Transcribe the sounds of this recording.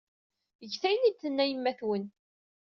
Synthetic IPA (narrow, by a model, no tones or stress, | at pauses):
əʝθæjnid̪θənːæjəmːæθwən